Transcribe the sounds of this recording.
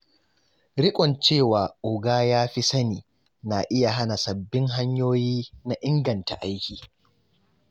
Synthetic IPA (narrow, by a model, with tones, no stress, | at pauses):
ɾɪ˦kʷʼɔ˨nt͡ʃeː˦˨waː˨ʔʊ˨ɡaː˦jaː˦ɸi˦sɐ˦niː˨ | na˨ʔɪ˦ja˨ɦa˦na˨sɐ˨bːɪ˦ŋɦa˦ɲjoː˦jiː˦na˦ʔɪ˦ŋɡɐ˨nta̰˨ʔa˦jkʲiː˨